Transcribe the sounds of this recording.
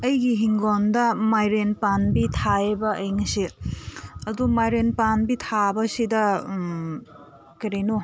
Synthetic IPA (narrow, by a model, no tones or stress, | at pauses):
ɐjɡiɦiŋɡondɐmajɾenpanbitʰaebɐɐjŋsi | ɐdumajɾenpanbitʰabɐsidɐ | kɐɾejno